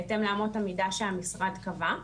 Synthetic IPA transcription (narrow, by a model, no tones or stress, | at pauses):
temlaːmotamidaʃehamisʁadkava